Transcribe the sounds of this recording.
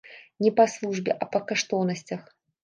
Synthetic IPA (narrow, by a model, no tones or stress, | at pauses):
nʲɛpɐslˠuʐbʲɛ̰ʔɐpɐkaʂt̪ɔnɐsʲt͡sʲɐx